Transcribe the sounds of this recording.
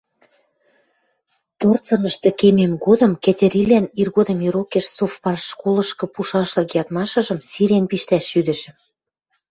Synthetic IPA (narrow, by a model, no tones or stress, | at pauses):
t̪ort͡sɤ̆nɤ̆ʃt̪ɤ̆kememɡod̪ɤ̆mket̪ʲĕɾilænirɣod̪ə̆mjiɾokeʃsofpɑrʃkolɤ̆ʃkɤ̆puʃɑʃlɤ̆kjɑt̪mɑʃɤ̆ʒɤ̆msiɾenpiʃt̪æʃːyd̪ɘ̆ʃ